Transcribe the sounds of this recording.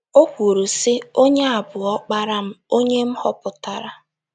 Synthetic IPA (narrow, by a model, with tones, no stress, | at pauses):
o˦kʷu˨ɾu˨sɪ˦o˦ɲe˦a˨bʊ˨ɔ˦k͡pa˦ɾa˦m̩˦o˦ɲe˦m̩˦hɔ˦pʊ˨ta˨ɾa˦